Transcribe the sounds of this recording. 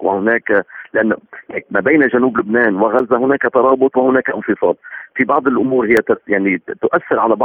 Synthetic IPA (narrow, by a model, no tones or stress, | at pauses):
wɪhʊnaːklɪʔanːlak̚maːbejnaʒanuːblʊbnaːnwɪɣazːahʊnaːkat̪ɑɾˤɑːbʊt̪ˤwɪhʊnaːkaʔɪnfɨsˤɑ̰ːlfibɑʕd̪ˤɪlʔʊmuːɾhɪjːat̪jaʕnit̪ʊʔaθːɪɾʕalabɑ